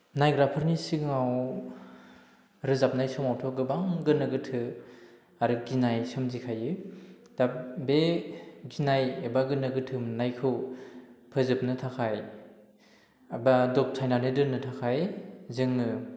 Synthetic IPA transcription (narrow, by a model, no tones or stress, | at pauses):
najɡɾapʰɯɾnisikŋaw | ɾɯzap̚najsɯmawtʰɔɡɯbaŋɡɯnɯɡɯtʰɯ | aɾɯɡinajsɯmzikʰajɯd̥abeɡinajebaɡɯnɯɡɯtʰɯmnajkʰɯw | pʰɯzɯp̚nɯtʰakʰaj | badɔk̚tʰajnanɯdɯnɯtʰakʰajzɯŋnɯ